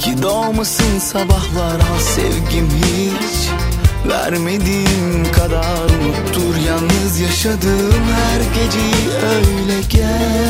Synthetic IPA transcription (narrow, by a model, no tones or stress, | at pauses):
cʰid̪omɯsɯnsɑbɑhlˠɑɾasḛvɟʲimɦi | t͡ʃ | væ̰ɾmed̪imkʰad̪ɑ | ɾmukt̪ʰːuɾjɑnːɯzjaʃad̪ɯmhæɾɟʲed͡ʒɛ | øjlʲɛɟʲɛ